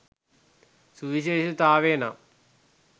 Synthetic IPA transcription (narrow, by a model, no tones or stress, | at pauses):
suʋiɕeːɕɐt̪aːʋeːna̰m